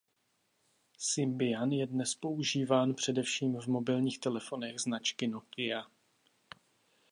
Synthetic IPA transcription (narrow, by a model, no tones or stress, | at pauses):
sɪmbɪjanjɛdnɛspo̞uʒiːvaːnpr̥ɛdɛfʃiːmvmo̞bɪlɲiːxt̪ɛlɛfo̞nɛɣznat͡ʃkɪno̞kɪa